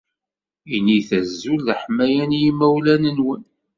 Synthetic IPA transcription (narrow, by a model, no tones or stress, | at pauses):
iniθæzːulːəħmæjænjimːæwlænənwən